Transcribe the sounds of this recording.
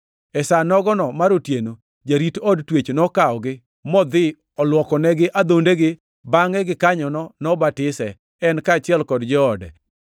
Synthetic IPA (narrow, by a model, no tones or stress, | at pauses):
ɛsanɔɡɔnɔmaɾotjeno | d͡ʒaɾitɔdtwet͡ʃnɔkaɔɡɪ | mɔd̪ɪ | ɔlwɔkɔnɛɡɪʔad̪ondeɡɪ | baŋɛɡɪkaɲɔnɔnɔbatɪsɛ | ɛnkat͡ʃɪɛlkɔdd͡ʒɔːdɛ̰